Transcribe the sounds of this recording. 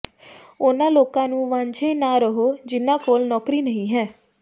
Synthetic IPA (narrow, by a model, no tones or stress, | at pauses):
ʊnãːloːkãːnũːʋãːɲd͡ʒʰeːnãːɾəɦoːd͡ʒɪnːãːkoːlnɔːkɾiːnəɦĩːɦɛː